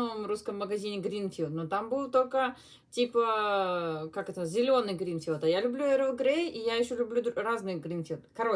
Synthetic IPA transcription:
omruskəmːəɡɐzʲinʲɪɡɾʲinfʲilˠt̪not̪ambɨlˠt̪o̞lʲkə | tʲipə | kakɛt̪əzʲɪlʲo̞nːɨjɡɾʲinfʲilˠt̪ɐjalʲʊblʲuɛɾəlˠɡɾʲejijajɪɕːolʲʊblʲud̪raznɨjɡɾʲinfʲilˠt̪kɐɾo

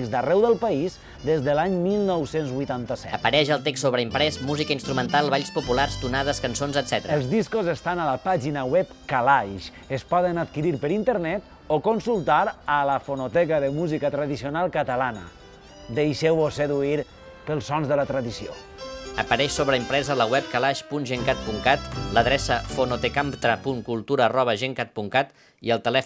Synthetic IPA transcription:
kzd̪ərɛwðəlˠpaiz | d̪ezðəlaɲmilˠnɔwsenzβujt̪ant̪əsɛ̰əpəɾɛʒəlˠt̪eksːoβɾəimpɾɛsmuzikəinst̪ɾumənt̪alˠβaʎspupularst̪unaðəskənsonzət̪z̥ɛt̪əɾəəlˠzðiskozəst̪analəpaʒinəwɛpkalajʃ | əspɔðənat̪̚kiɾiɾpəɾint̪əɾnɛt̪ | okonsulˠt̪aɾələfonot̪ɛkəðəmuzikət̪ɾəðisionalˠkət̪əlanə̰ | d̪ejʃɛwoseðuiɾ | pəlˠsɔnzðələt̪ɾəðisio̰ | əpəɾɛʃsoβɾəimpɾɛzələwɛp̚kalaʃpunʒeŋkat̪̚puŋkat̪ləðɾɛsəfonot̪ekamt̪ɾəpuŋkulˠt̪uɾəːrɔβəʒeŋkat̪̚puŋkat̪ | iəlˠt̪əlɛ

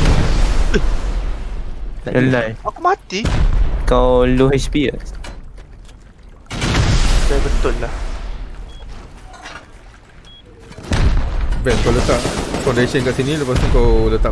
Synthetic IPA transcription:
laəlajakomat̪ikawluɦespiə̰s | dabət̪ʊlːah | vɛnkawlət̪aʔfandesənkaʔsinĩləpast̪ikawlət̪aʔ

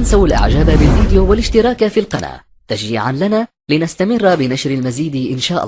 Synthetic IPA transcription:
ansawalʔa̰ʕd͡ʒaːbabɪlviːd̪ɪjuːwalɪʃt̪ɪɾˤɑːkafiːlqɑna̰ː | t̪aʃiːʕanlanaː | lɪnast̪amɪrːbɪnaʃɾalmaziːd̪ʔɪnʃaːʔɑ̰

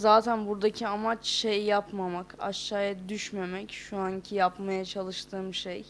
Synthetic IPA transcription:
zaːt̪ʰænbuɾd̪acʰiamat͡ʃʃejijapmamaka̰ʃːaːjad̪yʃme̞mɛcʃuaɲcʰijapmajat͡ʃʰalˠɯʃt̪ʰɯːmʃej

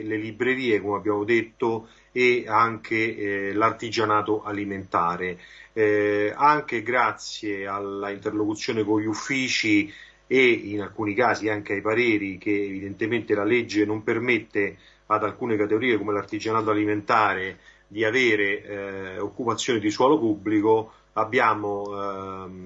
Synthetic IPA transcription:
lelibɾeɾiːekomeabːjaːmod̪et̪ːo | eaŋkʰelart̪id͡ʒanaːt̪oʔaliment̪aːɾe | aŋk̟eɡɾat̪sjealaint̪erlokut̪sːjoːnekoɲʎːufːiːt͡ʃi | einalkuːnikaːziaŋk̟eajpaɾeːɾik̟eːvid̪ent̪ement̪elaled͡ʒːenompermet̪ːe | ad̪alkuːnekat̪eɡoɾiːekomelart̪id͡ʒanaːt̪oaliment̪aːɾe | d̪iaveːɾe | okːupat̪sːjoːned̪iswɔːlopubːliko | abːjaːmo

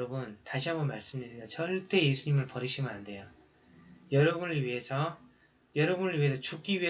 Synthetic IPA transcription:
ʌbuntaɕʰiɦambomaɭs͈ɯmdidedat͡ɕʰʌɭt͈e̞je̞sʰuɲimɯɭpʌɾiɕʰimɯande̞jo | jʌɾʌbunɯɭɥiɦe̞sʰʌ | jʌɾʌbunɯɭɥiɦe̞sʰʌt͡ɕuk̚k͈iɥiɦe

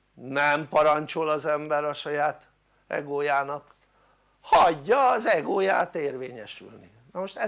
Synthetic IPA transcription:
nɛmpɒɾɒɲt͡ʃolɒzɛmbɛɾɒʃɒjaːt̪ | ɛ̰ɡoːjaːnɒk | hɒɟːɒːzɛɡoːja̰ːt̪eːrveːɲɛʃy̰lnḭ | nɒmoʃt̪ɛ

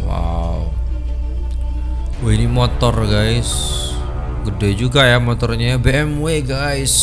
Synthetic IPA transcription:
wa̰u | oinimɔt̪ɔrɡajs | ɡədɛd͡ʒuɡajamɔt̪ɔrɲaabeɛmweɡajs

